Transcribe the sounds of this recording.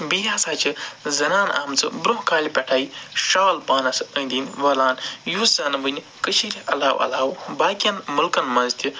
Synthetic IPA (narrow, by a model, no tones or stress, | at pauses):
bijaːsaːt͡ʃʰɨzɐnaːna̰ːmt͡sɨbɾuɦkaːlʲipʲɐʈʰaːjiʃaːlpaːnɐsɨə̃nʲd̪ʲinʋɐlaːnjuszɐːnɐbɨnʲi | kɨt͡ʃʰiɾʲɐlaːwʔɐ̰laːwbaːkʲijɐnmulkɐnmɐnzt̪ʰʲi